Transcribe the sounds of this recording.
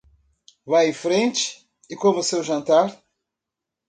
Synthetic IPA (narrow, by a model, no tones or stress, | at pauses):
vajẽfɾẽnt͡ʃɪ̥ | ɪkõvosewʒɐ̃nt̪aɾ